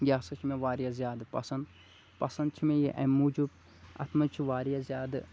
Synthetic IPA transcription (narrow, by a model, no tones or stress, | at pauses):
ɡʲaːsɐt͡ʃʰimẽʋaːɾijazjaːd̪ɨpɐsɐnd̪ | pɐsɐnd̪t͡ʃʰimẽjiʔɐ̰̃muːd͡ʒub | ɐ̰t̪ʰmɐt͡ʃʰiʋaːɾijazjaːd̪ɨ